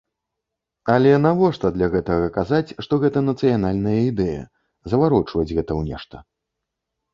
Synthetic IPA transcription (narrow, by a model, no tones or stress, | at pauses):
ɐlʲɛnavɔʂt̪ɐd̪lʲɐɣɛt̪ɐɣɐkazat͡sʲʂt̪ɔɣɛt̪ɐnɐt̪sɨjanalʲnɐjɐid̪ɛjɐ̰ | zɐvaɾɔt͡ʂvɐd͡zʲɣɛt̪ɐwnʲɛ̰ʂt̪ɐ